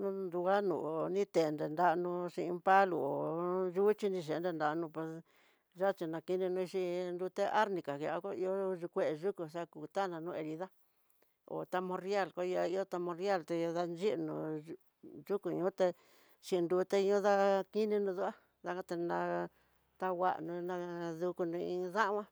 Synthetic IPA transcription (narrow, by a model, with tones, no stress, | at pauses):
nũ˦nd̪u˧a˦nṵ̃˨nĩ˦t̪e˨˧nd̪e˨nd̪a˧nũ˧ʃi˧ĩ˧mpa˦lṵ˧˨o˨ʒu˦t͡ʃi˧nĩ˧ʃ̬e˨˧nde˧˨nd̪a˧˨˧nũ˧pwe˧s | ʒa˦˧t͡ʃi˧nã˧ki˧nĩ˧nũ˧i˧ʃi˧nd̪u˧t̪e˦ʔa˦ɾnĩ˧ka˨ke˧a˧ka˦i˧o˦ʐi˧kʷe˦˨e˧ʒu˦ku˧sa˦˧ku˧t̪a˦nã˧nũ˦˧e˧ɾi˧ða˦ | o̰˨t̪a˧mõ˧ɾja˦˨lkʷa˦˧ja˧i˧˦o˦t̪a˧mõ˧ɾja˦˨lt̪e˧jo˧ða˧nd͡ʒi˦ʔnṵ̃˧ | ʐu˦ku˧ɲũ˦t̪e˧ | ʃi˧nd̪u˧t̪e˦˧ɲõ˦ða˦ki˦nĩ˧nũ˧ðu˦a˦ | ða˧kã˧t̪e˧nã˧ | t̪a˧wa̰˦˧ʔnũ˧nã˧ðu˧ku˧nũ˧ĩ˧ða˦ʔwã˦